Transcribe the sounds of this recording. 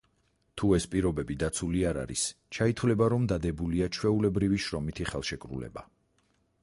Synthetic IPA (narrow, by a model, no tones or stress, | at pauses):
t̪ʰuɛspʼiɾɔbɛbid̪at̪sʰuliaɾa̰ɾḭst͡ʃʰait̪ʰwlɛbaɾɔmd̪ad̪ɛbuliat͡ʃʰwɛulɛbɾiviʃɾɔmit̪ʰiχɛlˠʃɛkʼɾṵlɛ̰ba